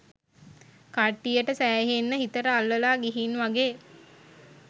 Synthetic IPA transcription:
kaʈːijəʈəsæːɦenːəɦit̪əɾəalːəlaːɡiɦinʋaɡeː

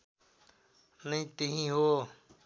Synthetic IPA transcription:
nəĩːt̪ĩɦĩːɦoː

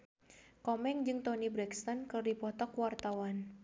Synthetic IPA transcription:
kɔmɛŋd͡ʒɨŋt̪ɔnibɾɛkst̪ankɨrdipɔt̪ɔkwart̪awan

